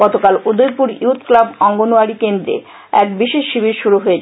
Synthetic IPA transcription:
ɡɔt̪okalud̪ojpuɾjut̪ʰklabɔŋɡonuaɾikend̪ɾḛ | ɛk̚biʃeʃʃibiɾʃuɾuɦoet͡ɕʰ

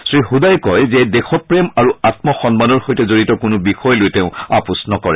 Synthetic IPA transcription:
sɹixudajkɔjzɛdexɔt̚pɹemaɹuatmɔxɔnmanɔɹxojtɛzoɹitɔkʊnʊbixɔjlojteʊ̃a̰pusnɔkɔɹɛ

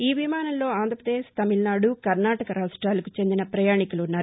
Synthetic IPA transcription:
iːʋimaːnɐllo̞ːaːnd̪ʱɐpɾɐd̪eːʃt̪ɐmilnaːɽukɐɾnaːʈɐkɐɾaːʂʈɾaːlɐkut͡ʃe̞nd̪inɐpɾɐjaːɳikuluːnːaːɾu

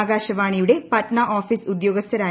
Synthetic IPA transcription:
ɡaːɕɐʋaːɳijuɽe̞pɐʈɳaʔoːfisud̪joːɡɐst̪ʰɐɾaː

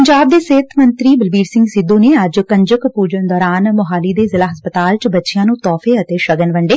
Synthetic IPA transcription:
pəɲd͡ʒaːb̚d̪eːseːt̪ʰmənt̪ɾiːbəlbiːɾsɪ̃ŋɡsɪd̪õːneːəd͡ʒkə̃ɲd͡ʒəkpuːd͡ʒənd̪ɔːɾaːnmʊɦaːliːd̪eːzɪlaːɦəspət̪aːlt͡ʃbətːʃijãːnũːt̪ɔːfʰeːət̪eːʃəɡənʋəɳɖeː

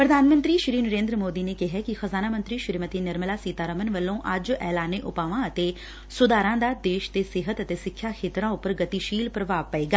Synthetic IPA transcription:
pɾəd̪ʱaːnmə̃nt̪ɾiːʃɾiːnəɾẽːnd̪ɾəmoːd̪iːneːkɪɦɛːkɪxəzaːnaːmə̃nt̪ɾiːʃɪɾmət̪iːnɪɾməlaːsiːt̪aːɾəmənʋəlːõːʔəd͡ʒɛːlaːneːʔʊpaːʋãːət̪eː | sʊd̪aːɾãːd̪aːd̪eːʃt̪eːsɪɦət̪ət̪eːsɪkʰːjaːkʰeːt̪ɾãːʊpəɾɡət̪iːʃiːlpɾəʋaːʋpəeːɡaː

